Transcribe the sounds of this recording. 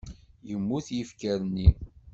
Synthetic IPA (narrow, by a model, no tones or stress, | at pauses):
jəmːuθjəfkəɾənːi